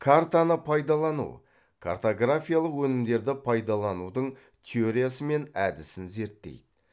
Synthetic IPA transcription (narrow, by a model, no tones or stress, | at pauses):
kʰart̪anəpʰɑjd̪ɑlˠɑnṵ | kʰa̰rt̪o̞ɡrafʲijalˠəqwɵnɪmd̪e̞ɾd̪ɪpʰɑjd̪ɑlˠɑnud̪əɴ | t̪ʲʰeoɾʲijasəme̞næd̪ɪsɪnze̞ɾt̪ːe̞̰jd̪ɪ